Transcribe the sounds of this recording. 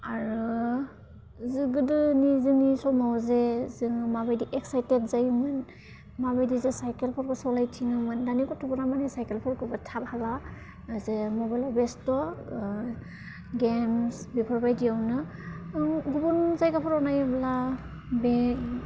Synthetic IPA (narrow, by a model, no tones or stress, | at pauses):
aɹu | zɯɡɯdɯnizɯnisɔmawzɛzɯŋmabajdiʔɛksajtetzajmɯn | mabajdizɛsajkelpʰɔɾkʰɔsɔlajtʰiŋɯmɯndanikɔtʰubɔnamanɛsajkelpʰɔɾkɯbatʰab̚hala | zemɔbajlɔbɛstɔ | ɡemsbipʰɔɹbajdiawnɯ | ɡubunzajkapʰɔɾɔnajabla | be